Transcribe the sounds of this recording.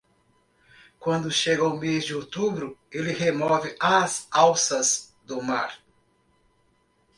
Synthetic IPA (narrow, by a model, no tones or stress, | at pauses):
kwɐ̃nd̪ʊʃeɡɐwmezd͡ʒɪot̪ubɾʊelɪhemɔvɪʔɐzawsɐz | d̪ʊma̰ɾ